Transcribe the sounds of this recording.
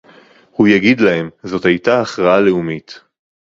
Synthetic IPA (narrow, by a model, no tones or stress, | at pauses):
hujaɡid̪lahe̞mzo̞thajtaːχʁaale̞umit̪